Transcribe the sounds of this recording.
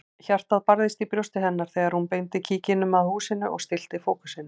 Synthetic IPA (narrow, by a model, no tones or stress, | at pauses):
çar̥t̪aðpaɾðɪst̪ipɾjowst̪ɪɦɛnːaɾ̥θɛːɣaɾ̥hunpejnt̪ɪcʰiːcɪnʏmaðhuːsɪnʏʔɔ̰ɣst̪ɪl̥t̪ɪfoːkʏ̥sɪnʏ